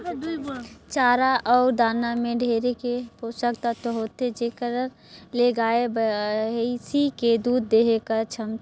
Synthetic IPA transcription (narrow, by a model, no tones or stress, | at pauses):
t͡ʃaːɾaʔɔːɾd̪aːnamẽɖʱeːɾekeposəkt̪at̪oɦot̪ed͡ʒekəɾ | leɡaːebəɦisiked̪uːd̪ːeɦekət͡ʃʰəm